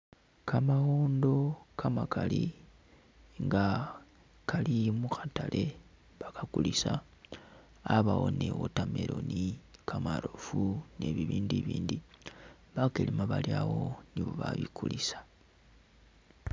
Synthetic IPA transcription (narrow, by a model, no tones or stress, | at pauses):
kamaɣoːndo̞kʰamakali | ŋɡa | kʰalimuxatalʔe̞ | βakakulisa | βawonewotameɾonikʰamaɾo̞fune̞βiβiːndiβiːndi | βakelimaβaljawo̞niβoβaβikulisḁ